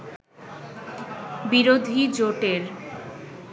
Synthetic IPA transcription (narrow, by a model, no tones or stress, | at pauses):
biɾod̪ʱid͡ʑoʈeɾ